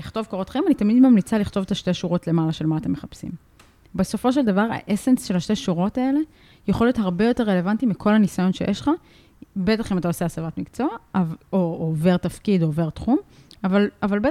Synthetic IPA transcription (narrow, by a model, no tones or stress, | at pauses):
liχt̪o̞vkoʁot̪χaeimanit̪amid̪mamlit͡saliχt̪o̞vetaʃte̞ʃuʁo̞tle̞malaʃe̞lmaːt̪e̞mːeχapsḭm | beso̞fo̞ʃ̬e̞ld̪avaʁa̰ʔesensʃe̞laʃte̞ʃuʁo̞tae̞le̞ | jeχlijo̞t̪haʁbe̞jo̞te̞ʁːe̞levantimikʰo̞lhanisajo̞nʃejeʃχa | be̞taχimat̪aoseasavat̪mikt͡so̞aoːve̞ʁt̪ɐfkid̪o̞ːve̞ʁt̪χum | avalavalbe